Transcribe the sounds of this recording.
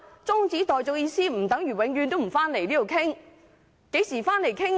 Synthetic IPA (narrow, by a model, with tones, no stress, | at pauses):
t͡sʊ˥ŋt͡siː˨˥t̪ɔː˨jt͡so˨k̚jiː˧siː˥m̩˨˩t̪ɐ˨˥ŋjyː˨˩wɪ˨˧ŋɥyː˨˧nt̪o˥wm̩˨˩faː˥nle˨˩jliː˥o˨wkʰɪ˥ŋ | ke˨˥jsiː˨˩faː˥nle˨˩jkʰɪ˥ŋ